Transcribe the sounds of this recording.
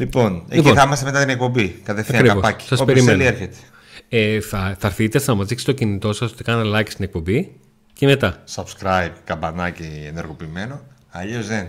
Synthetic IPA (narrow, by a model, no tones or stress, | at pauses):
lipo̞neliciθɐimɐst̪emeɐt̪inek̚po̞bikɐt̪efθɐikɾiɐvospɐci̥sɐsopeɾismenlieɾçet̪e̥ | eθɐθɐɾθit̪esɐnɐmɐzðikse̥t̪ocinit̪o̞sɐsot̪i̥kɐnelɐci̥st̪inek̚po̞mbi | ceme̞t̪ɐsɐbskɾɐjbkɐbɐnɐcieneɾɣo̞piːme̞no̞ | ɐʎozðen